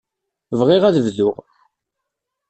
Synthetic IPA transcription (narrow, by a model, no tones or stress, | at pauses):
vʁɪʁæðəvðʊʁ